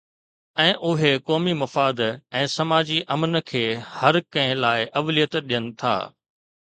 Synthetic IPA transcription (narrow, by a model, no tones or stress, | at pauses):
ɛ̃ːʔʊɦekɔːmimɐfaːd̪ɛ̃ːsɐmaːd͡ʑiʔɐmnəkʰeːhɐɾkɐ̃ɦɪ̃laːɪʔɐʋlijət̪ɗijənɪ̆t̪ʰa̰ː